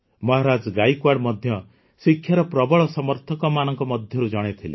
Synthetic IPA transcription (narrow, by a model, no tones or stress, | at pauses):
mɔɦaɾad͡ʒɡajkwaɽmɔd̪ʱjɔ | sikʰːjaɾɔpɾɔbɔɭɔsɔmɔɾt̪ʰɔkɔmanɔŋkɔmɔd̪ʱjɔɾud͡ʒɔɽ̃et̪ʰilḛ